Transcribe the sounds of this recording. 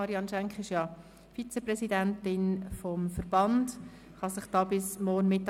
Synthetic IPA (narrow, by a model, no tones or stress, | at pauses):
ɑɾiɑnʃɛŋkχɪʃjɑ | fit͡sɛprɛsidæntɪnfɔmfəɾb̥ɑnd | χɑsɪχd̥ɑːbɪsmɔːrnmɪtːɑ